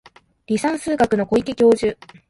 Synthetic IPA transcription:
ɾʲisãɰ̃sɨːɡakɯ̟no̞ko̞ikʲikʲo̞ːʑɨ

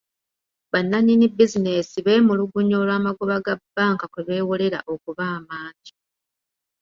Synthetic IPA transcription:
βanːaɲinibizine̞siβeːmuluɡuɲo̞ːlwaːmaɡuβaɡabːaːŋkakweβe̞ːwole̞ɾa̰ʔo̞kuβaːmaːɲɟi̥

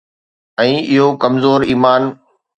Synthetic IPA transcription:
ɛ̃ːɪɦokɐmzoːɾiːmaːn

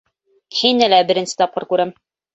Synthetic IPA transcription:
hinɘlæbɘ̆ɾɘ̆nsɘ̥t̪ɒp̚qɤ̰ɾkʉɾæm

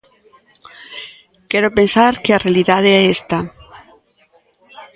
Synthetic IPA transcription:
keɾope̞nsaɾkearealiðaðeest̪a

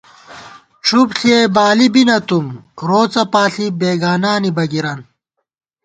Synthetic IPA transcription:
ʈ͡ʂʰupɬiebaːlibinɐt̪umɾoːt͡sɐpaːɬibeːɡaːnaːnibɐɡiɾɐn

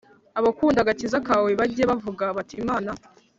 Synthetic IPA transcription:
aβakuːndaɡacizakaweβaɟijeβavuɡaβatiːmaːna

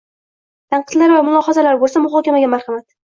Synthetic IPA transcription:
t̪ʰaɴqɨd̪laɾvamʊlˠɒχɑzalaɾbolˠsamʊɦɒkʲamaɡʲamaɾχɑmat̪

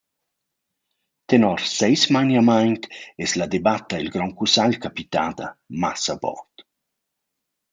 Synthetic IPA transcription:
t̪enɔɾsɛjsmajnamajnt̪ɛslad̪ebat̪ailɡɾɔŋkusalkapit̪aːd̪a̰masabɔ̰t̪

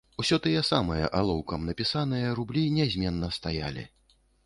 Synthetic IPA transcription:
usʲɔt̪ɨjɛsamɨjɐ̰ʔalˠɔwkɐmnɐpʲisan̪ɨjɐɾublʲinʲɛzʲmʲɛnːɐst̪aja̰lʲḭ

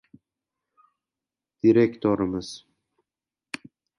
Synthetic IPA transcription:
d̪̥iɾekʲt̪ʰoɾɪmɪz̥

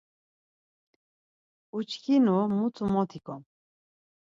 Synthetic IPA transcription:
ut͡ʃkʰinumut͡s̪ʰumɔt̪ʰikʰɔm

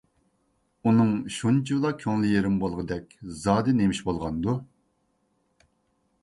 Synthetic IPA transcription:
unɨŋʃunt͡ʃʰilˠɑkʲʰøŋlɪjeɾɪmbolˠʁəd̪ɛkʲzɑːd̪ɨnemiʃbolˠʁɑnd̪u

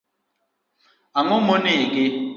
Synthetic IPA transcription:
aŋʊmʊnɪɡɪ

